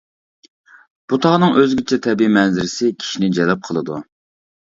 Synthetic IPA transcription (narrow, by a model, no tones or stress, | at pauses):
b̥ut̪ʰɑʁnɨŋʔøzɡʲɪt͡ʃʰɛt̪ʰɛbimɛnzɪɾɪsɪkʲʰi̥ʃinɪd͡ʒɛlɛp̚qʰəlˠɨd̪u